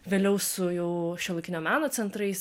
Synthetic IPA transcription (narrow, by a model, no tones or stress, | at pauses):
ʋʲeːlʲɛʊsʊjɛʊʃʲɛlˠɐkʲɪnʲoːmʲæːnoːt͡s̪ʲɛnt̪ɾɐɪs